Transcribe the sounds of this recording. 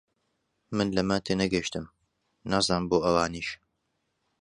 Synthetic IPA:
mɨnlɐmɐt̪ʰeːnɐɡɐʃt̪ɨm | naːzɑːnboːʔɐwaːniːʃ

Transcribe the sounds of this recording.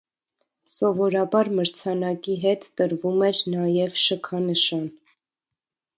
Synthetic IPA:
sɔvɔɾɑbɑɾməɾt͡sʰɑnɑkiɦɛt̪ːəɾvumɛɾnɑjɛvʃəkʰɑnəʃɑn

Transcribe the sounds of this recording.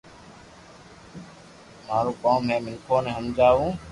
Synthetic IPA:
maːɾoːkaːmɦeːmɪnkʰoːnẽːɦəmd͡ʒaːʋũː

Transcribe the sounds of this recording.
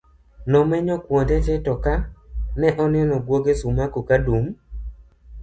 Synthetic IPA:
nɔmɛɲɔkwɔntɛtɛtɔkanɛʔɔnɪɔnɔɡwoɡesumakokadum

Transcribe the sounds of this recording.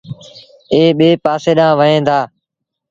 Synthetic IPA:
eːɓeːpaːseːɗãːʋəɦẽːd̪aː

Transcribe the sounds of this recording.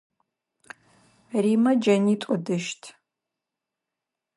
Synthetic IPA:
rimɐd͡ʒɐnitʷʼɔdɨʃtʰ

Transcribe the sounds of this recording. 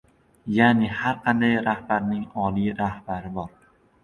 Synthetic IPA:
janɪhaɾqʰɑnd̪ajɾahbaɾnɪŋɒlˠijɾahbaɾɪbɒɾ

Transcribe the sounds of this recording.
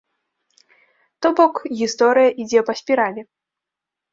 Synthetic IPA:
t̪ɔbɔkɣʲist̪ɔɾɨjɐʔid͡zʲɛpɐsʲpʲiɾalʲɛ

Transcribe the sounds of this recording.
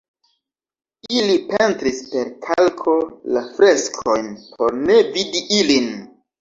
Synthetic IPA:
ilipe̞ntɾispe̞ɾkʰalkʰo̞lafɾe̞skʰo̞jnpʰo̞ɾne̞vidiʔilin

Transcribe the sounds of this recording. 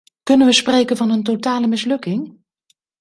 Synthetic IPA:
kɵnənʋəsprejkənvɑnənt̬otaːləmɪslɵkɪŋ

